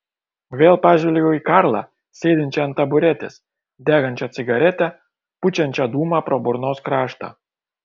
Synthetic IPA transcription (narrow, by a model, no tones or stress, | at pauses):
ʋʲeːlˠpɑʒʲɛlʲejʲoikɑɾlˠɑ̰ | sʲeːd̪ʲɪnʲt͡ʃʲɛɐnt̪ɐbʊɾʲæt̪ʲḛs | d̪ʲæːɡɐnʲt͡ʃʲɛt̪t͡s̪ʲɪɡɐɾʲæt̪ʲæ | put͡ʃʲɛnʲt͡ʃʲɛd̪uːmɑpɾobʊɾnoskɾɑːʃt̪ɑ̰